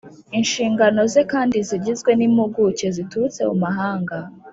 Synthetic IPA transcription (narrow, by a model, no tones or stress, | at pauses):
inʃiːŋɡano̞zekaːndiziɟizɡwe̞nimuɡuce̞zitut͡se̞ṵmaɦaːŋɡa